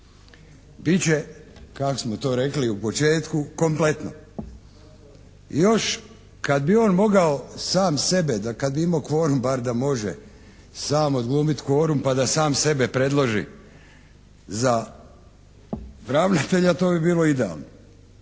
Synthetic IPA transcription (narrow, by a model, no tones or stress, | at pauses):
bit͡ɕekakosmot̪o̞ːɾe̞kliupo̞t͡ʃe̞ːt̪kuko̞mple̞t̪no̰ | jo̞ʃ | kad̪bio̞ːnmo̞ɡaosaːmse̞bed̪akad̪̚biimaokʋo̞ːɾumbaɾd̪amo̞ʒḛ | saːmod̪ɡlˠuːmit̪kʋo̞ːɾumpad̪asaːmse̞bepɾe̞d̪lˠoʒḭ | za | ʋɾaʋnat̪e̞ʎat̪o̞ːbibiːlo̞id̪ea̰lˠno